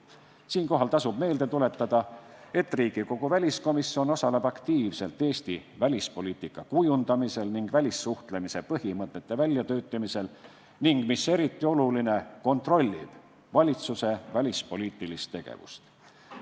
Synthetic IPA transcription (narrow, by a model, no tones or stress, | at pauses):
siːnko̞ɦɑlt̪ɑsubme̞ːld̪et̪ule̞t̪ːˑɑd̪̥ɑe̞t̪ːˑriːɡ̥iko̞ɡ̥uvælʲisko̞misːio̞no̞sɑlebɑkt̪iːvse̞lt̪ːˑe̞ːsʲt̪ivælʲispo̞lʲiːt̪ˑikːˑɑkujund̪ɑmise̞lniŋɡ̥vælʲisːuht̪lemise̞pɤhimɤt̪ːˑe̞t̪ːe̞vælʲjɑt̪ø̞ːt̪ːˑemise̞l | niŋɡ̥mise̞ɾit̪ːˑio̞luline̞ko̞nt̪ro̞lʲːḭb̥ | vɑlʲit̪suse̞vælʲispo̞liːt̪ːˑilist̪ːe̞ɡ̥ḛvṵst̪